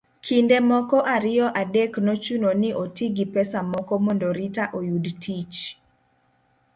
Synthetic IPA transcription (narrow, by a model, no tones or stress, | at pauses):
kʰindemɔkɔʔaɾɪɔʔadeknɔt͡ʃunonɪʔotiɡipɛsamɔkɔmɔndoɾitaʔojudtʰit͡ʃ